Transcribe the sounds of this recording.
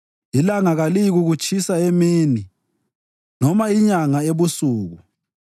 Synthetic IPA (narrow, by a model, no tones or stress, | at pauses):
ilaŋaɣalijɣuɣut͡ʃʼʰisaemiːni | nɔmaiɲaŋaeβusuːɣu